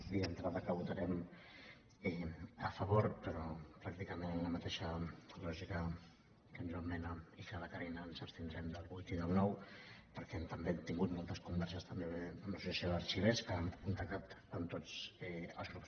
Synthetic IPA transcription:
ðiənt̪ɾaðəkəβut̪ɐɾɛm | ɛəfəβoɾpəɾɔpɾak̚t̪ikəmennləmət̪eʃəlɔʒikə | kənizomɛnəikələkəɾɛnəːnzəpst̪ind̪ɾɛmd̪əlˠβujt̪iðəlˠnɔwpəɾkɛnt̪əmbet̪iŋɡut̪mɔlˠt̪əskumbɛɾʃəst̪əmbeəmləsusasioðəɾʃiβɛskəamkunt̪ak̚t̪at̪ənt̪ot͡sɛə̰lˠzɣɾups

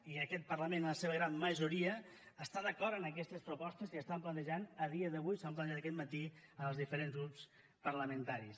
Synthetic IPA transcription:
iəkɛt̪̚pəɾləmenləseβəɣɾammːəʒuɾiəːst̪aðəkɔɾənəkɛst̪əspɾupɔst̪əziəst̪amplənt̪əʒanəðiəðəβujsamp̬lənʒat̪əkɛt̪mət̪iəlˠzðifəɾenzɣɾups | pəɾləmənt̪aɾis

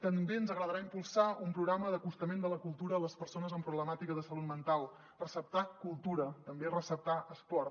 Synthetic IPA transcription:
t̪əmbeənzəɣɾəðəɾaimpulˠsaumpɾuɣɾaməðəkust̪əmend̪ələkulˠt̪uɾəːləspəɾsonəzəmpɾuβləmat̪ikəðəsəlut̪mənt̪alˠ | rəsəp̚t̪akulˠt̪uɾət̪əmberəsəp̚t̪aəspɔɾ

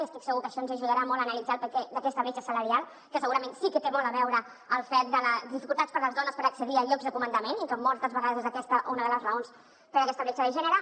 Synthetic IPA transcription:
iəst̪iksəɣukəʃɔnzəʒuðəɾamɔlˠənəlid͡zalˠpəkɛd̪əkɛst̪əβet͡ʃəsələɾialˠ | kəsəɣuɾəmẽnsikət̪emɔləβɛwɾə | əlˠfɛt̪̚d̪ələðifikulˠt̪at̪t͡spəɾləzðɔnəspəɾəksəðiəʎɔɡzðəkumənd̪əmeniŋkɔmːɔlˠt̪əzβəɣaðəzezəkɛst̪əʔunəðələzrəons | pəɾəkɛst̪əβɛt͡ʃəðəʒɛnəɾə

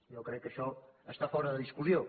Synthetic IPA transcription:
jewkɾɛkːəʃɔəst̪afɔɾəðəðiskuzjo

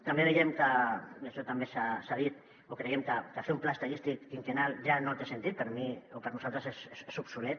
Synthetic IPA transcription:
t̪ambeβejemkaaʃɔt̪ambesasað̞it̪ | okɾejemkakafeumplaest̪aʎist̪ikiŋkenalʒanot̪esent̪it̪̚pəɾmiopəɾnusalt̪ɾəseseesupsulet̪̚

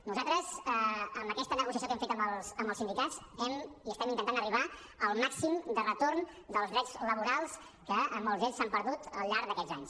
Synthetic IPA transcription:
nuzat̪ɾəzɛəmbəkɛst̪ənəɣusiəs̬jokɛmfet̪əmbəlˠsəmbəlˠsind̪ikazɛmiəst̪ɛmint̪ənt̪anəriβa | əlˠmaksimd̪ərət̪orn | d̪əlˠzðɾɛd͡zləβuɾalˠs | kəəmbəlzɛʎsampəɾðut̪əlˠʎaɾðəkɛd͡zzaɲs

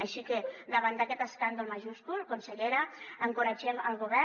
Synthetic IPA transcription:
əʃiked̪əβand̪akɛt̪əskand̪əlmaʒusk̪ulkunsəʎeɾəəŋkuɾad͡ʒɛməlˠɣuβ̞ɛ

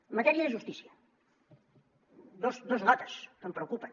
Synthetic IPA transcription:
mɐt̪ɛɾiəðəʒust̪isiə | d̪osd̪ozlɔt̪ə̥skəmpɾəukupən

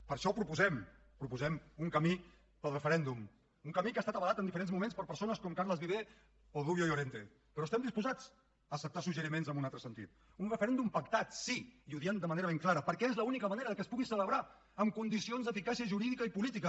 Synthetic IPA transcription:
pəɾʃɔpɾupuzɛm | pɾupuzɛmuŋkəmi | pəlˠrəfəɾɛnd̪um | uŋkəmikast̪at̪əβlat̪ənd̪ifəɾenzmumenspəɾpəɾsonəskɔmkaɾləzβiβ̞e | oðuβjojoɾent̪e | pəɾɔst̪ɛmd̪ispuzat͡s | əːsəp̚t̪asuʒəɾimenzəmbunalt̪ɾəsənt̪ḭt̪̚ | unrəfəɾɛnd̪umpəkt̪at̪siiuðiand̪əməneɾəβeŋklaɾəpəɾkɛezləunikəməneɾəðəkəspuɣisələβɾa | əmkund̪isionzðəfikasiəʒuɾiðikəipulit̪ikə

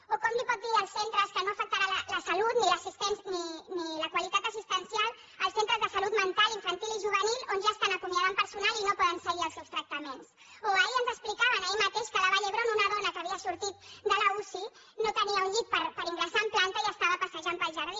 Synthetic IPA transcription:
okɔmlipɔt̪̚d̪iəlˠsent̪ɾəskənoəfək̚t̪aɾaələsɐlut̪niləsist̪ɛnsniniləkwalit̪at̪əsist̪ənsialˠ | əlˠsent̪ɾəzðəsɐlut̪mənt̪alˠiɱfənt̪iliʒuβənilˠonʒaːst̪anəkumjaðəmpəɾsunalinopɔðənsəɣiəlˠsewst̪ɾək̚t̪əmens | oaeiənzəksplikaβənajmət̪eʃkəlaβaʎəɣɾomunəðɔnəkəβiəsuɾt̪it̪̚d̪ələusi | not̪əniəunʎit̪̚pəɾpəɾiŋɡɾəsaːmplant̪əiəst̪aβəpəsəʒampəlˠʒəɾði

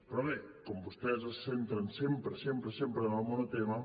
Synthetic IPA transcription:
pɾɔβekombost̪ɛsɐsθent̪ɾɐnsempɾesempɾesempɾenalmonot̪emɐ

